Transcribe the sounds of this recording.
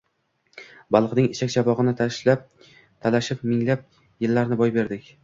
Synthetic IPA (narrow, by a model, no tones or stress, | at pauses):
bɑlˠqnɪŋɪʃʰakʲt͡ʃʰabɒʁɨnɪt̪ʰaʃlap̚ | t̪ʰalaʃɪp̚mɪŋlap̚ | jɪlːaɾnɪbɒjbe̞ɾd̪ɪkʲ